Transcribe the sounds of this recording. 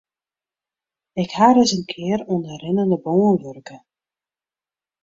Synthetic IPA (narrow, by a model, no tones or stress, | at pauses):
ɪkhaːɾɪsənkʰɪːəɾundərɪnəndəboːənʋørkə